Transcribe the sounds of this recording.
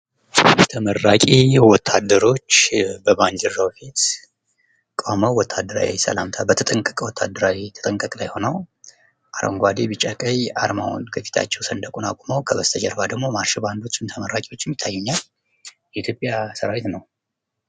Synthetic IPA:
t̪ʰəmərːakʼiwɔt̪ʰːad̪ːəɾo̞t͡ʃːbəband͡ʒɛɾːawfit̪ | kʼoməwwɔt̪ʰːad̪ːəɾa̰wisə̰lamt̪ʰabət̪ʰət̪ʼəŋkʼəkʼwɔt̪ʰːa̰d̪ːəɾawit̪ʰə̥t̪ʼəŋkʼəkʼlajho̞nəw | ʔaɾo̰ŋɡʷad̪ebɨt͡ʃʼakʼəja̰ɾma̰wṵnkʰəfi̥t̪ʰa̰t͡ʃːɛwsənd̪əkʼunakʼoməwkʰəβəst̪ʰəd͡ʒəɾbad̪əɡmo̞maɾʃiband̪o̞t͡ʃːɪnt̪ʰəməɾːakʼiwo̞t͡ʃːjɛmjɪt̪ʰːajːɛɲːal | jɛit̪ʰjopʼjasəɾawet̪nəw

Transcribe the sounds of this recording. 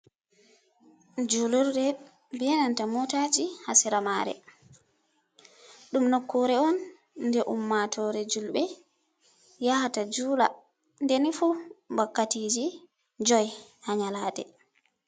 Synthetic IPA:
d͡ʒuluɾdɛ | bɛɛnantamɔtad͡ʒihasiɾamaːɾɛ̰ | ɗumnokːɔɾɛɔnː | dɛʔumːatʰɔːɾɛd͡ʒulɓɛ | jahatad͡ʒuːla̰ | ndɛnifubakːatid͡ʒi | d͡ʒɔjhaɲalaːdɛ̰

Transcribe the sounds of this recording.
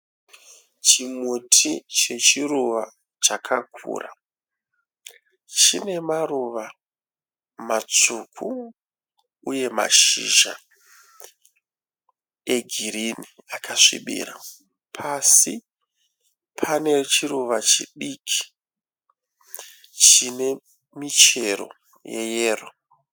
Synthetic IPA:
t͡ʃimutʰit͡ʃe̞t͡ʃiruʋa | t͡ʃakʰakʰṵːrʔa̰ | t͡ʃine̞maruʋa | mat͡sukʰu | uje̞ma̰ʃiʒa̰ | e̞ɡʱiɾiniakʰaʂḭɓḭːra̰ | pʰasi | pʰane̞t͡ʃiɾuʋat͡ʃiɗikʰi̥ | t͡ʃine̞ | mit͡ʃe̞ro̞̰ | je̞̰jeːro

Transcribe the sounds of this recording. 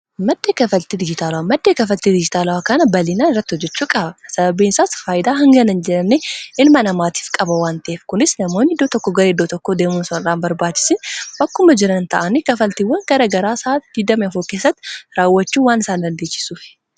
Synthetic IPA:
mɐd̪ːeːkɐfɐlt̪id̪ɪd͡ʒɪt̪aːlɐwamɐd̪ːeːkɐfɐlt̪id̪ɪd͡ʒɪt̪aːlɐwakɐnɐbɐlɪnaːnɪrːɐt̪ːɪhɔd͡ʒːɛt͡ʃːuːkʼɐbɐsɐbɐbiːnsaːsfaːjɪd̪aːɦɐŋɡɐnɐnd͡ʒɛɾɐnːeʔɪnmɐnɐmaːt̪i̥ːfkʼɐbɐwaːnt̪ɐʔeːfkʊnɪsnɐmo̞ːnːɪd̪ːoːt̪ɔkːɔɡɐɾed̪ːoːt̪ɔkːoːd̪e̞ːmuːnsɐnɪɾaːnbɐɾbaːt͡ʃːɪ̥sɪnbɐkːʊmɐd͡ʒɪɾɐnnt̪ɐʔɐnɪkɐfɐlt̪iwɐŋɡɐɾɐɡɐɾaːsaːd̪̥ɪd̪ɐmɛɐfoke̞ːsːɐt̪ːɪ̥ɾaːwːɐt͡ʃːuːwaːnɪsaːnd̪ɐnd̪e̞ːt͡ʃːɪ̥suːfɪ̥

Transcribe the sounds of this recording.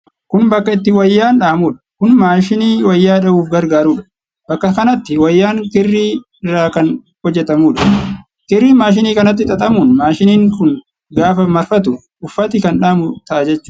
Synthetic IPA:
kʊnbɐkːɐɪt̪ːɪwɐjːaːnᶑaːmuːᶑɐ̥kʊnmaːʃɪniːwɐjːaːᶑɐuːfɡɐɾɡaːɾuːᶑɐ̥ | b̥ɐkːɐkɐnɐt̪ːɪwɐjːaːŋkɪrːiː | ɪrːaːkɐn | hɔd͡ʒːɛt̪ɐmuːᶑɐ̥ | kɪrːiːmaːʃ̬ɪniːkɐnɐt̪ːɪt̪ʼɐt̪ʼɐmuːnmaːʃɪniːŋkʊn | ɡaːfɐmɐɾfɐt̪ʊ | ʊfːɐt̪ɪkɐnᶑaːmʊt̪ɐʔad͡ʒɛt͡ʃːʊ̥

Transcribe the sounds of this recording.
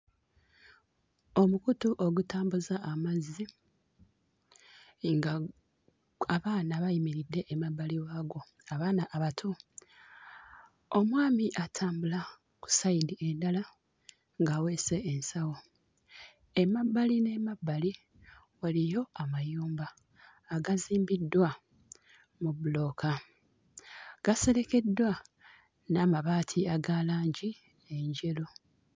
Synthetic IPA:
o̞mukutuʔo̞ɡutaːmbuzaʔːmazi | ŋɡa | aβaːnaβajimiɾidːe̞ʔːmabːaliwaːɡo̞ | aβaːnaʔːβatʰu | o̞mwaːmiʔatʰaːmbula | ku̥saidiʔendala | ŋɡawe̞ːse̞ːnsawo̞ | emabːaline̞mabːali | walijo̞amajuːmbaː | ɡaziːmbidːwa | muβulo̞ːka | ɡ̥ase̞ɾe̞ke̞dːwa | namaβaːtʰiaɡalaːɲɟi | eɲɟe̞lo

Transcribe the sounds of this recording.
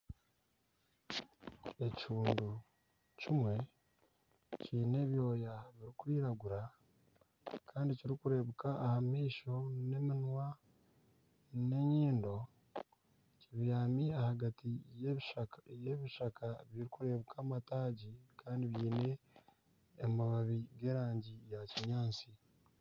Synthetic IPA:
e̞ci̥ʃuːndu | cimwe̞ | ciːne̞βjo̞ːjaβiɾikuiːɾaɡuɾa | kaːndiciɾikuɾe̞βukaʔːhamiːʃo̞ne̞minwa | ne̞ɲiːndo̞ | ciβijaːmiahaɡatijejeβiʃakʰaβiɾikuɾe̞βukʰaːmataːɟikʰaːndiβjiːne̞ː | maβaβiɡe̞ːɾaːɲɟijaciɲaːnt͡si

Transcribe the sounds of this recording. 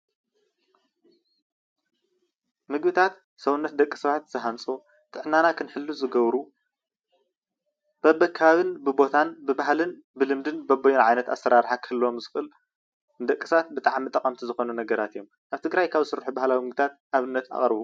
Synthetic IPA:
mɨɡbɨt̪ʰat̪ | sɐwunːɐt̪̚d̪ɐkʼːɨ̥sɐβat̪z̥ɨɦant͡sʼu | t̪ʼɨʕnanakʰɨnħɨlːuzɨɡɐβɾu | b̥ɐbɐkʰːaβaβɨnbɨbo̞t̪ʰanbɨbaɦlɨn | bɨlɨmd̪ɨnbɐbɐjunʕajnɐt̪a̰sːɐɾaɾħakʰɨhɨlːomzɨxɨl | d̪ɐkʼːɨsβat̪̚bɨt̪ʼaʕmit̪ʼɐkʼɐmt̪ʰizɨxo̞nunɐɡɐɾat̪ɨjːo̞mʔaβt̪ʰɨɡɾajkʰaβzɨsɨɾħubahlawimɨɡbɨt̪ʰat̪̚ʔaβɨnːɐt̪ʰa̰χʼɾβu

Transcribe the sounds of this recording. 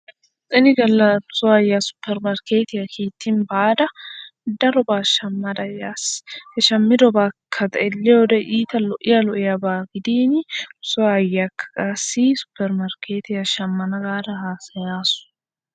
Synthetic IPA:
sʼɪnɪɡɐlːɐnʊsɔɐjːasʊ̥pːɛɾmɐɾkeːt̪ɪjɐkʰeːt̪ʰːɪnbaːd̪ɐd̪ɐɾɔbaːʃɐmːɐd̪ɐjaːshɛʃɐmːɪd̪ɔbakʰːɐt̪ɐɛlːɛɔd̪ɛʔiːt̪ɐlɔʔɪjɐlɔʔɪjɐbaːɡɪd̪iːnʊsɔjːakʰːɐ̥kʼaːsːɪsʊ̥pːɛɾmɐɾkeːt̪ɪjɐʃɐmːɐnɐɡaːd̪ɐhaːsɐjaːsʊ̥

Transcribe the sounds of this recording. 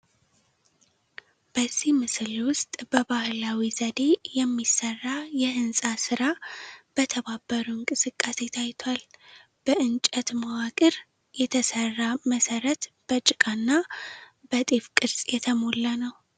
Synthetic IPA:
b̥əzːimɨslwʊst̪ʼb̥əbahlawizəd̪e̞jɛmːisərːajɛʔɨnsʼasɨɾab̥ət̪ʰəβabːəɾuŋkʼɨsɨkʼːase̞t̪ʰajt̪ʰal | b̥əʔɨnt͡ʃʼət̪mawakʼɨɾ | jɛt̪ʰəsərːaməsəɾət̪ | b̥ət͡ʃʼɪkʼanːa | bət̪ʼefkʼɨɾsʼjɛt̪ʰəmo̞lːanəw

